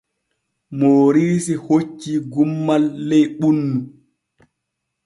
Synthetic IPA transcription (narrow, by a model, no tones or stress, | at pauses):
moːɾiːsihot͡ʃːiɡumːalːɛjɓunːu